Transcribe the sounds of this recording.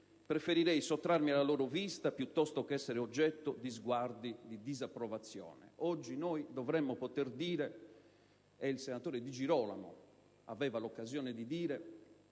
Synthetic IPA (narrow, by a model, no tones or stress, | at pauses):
pɾefeɾiɾɛjsot̪ːɾarmialːalɔːɾovist̪apjut̪ːɔst̪okɛsːɛɾeɔd͡ʒːɛt̪ːod̪izɡward̪id̪id̪izapːɾɔvat̪sːjɔ̰ːnɛ̰ɔd͡ʒːinɔːjd̪ɔvɾɛmːɔpot̪erd̪iːɾɛ | ilsenat̪oːɾed̪id͡ʒiɾɔːla̰mo̰ | a̰vɛːvalɔkːazjɔːned̪id̪iːɾɛ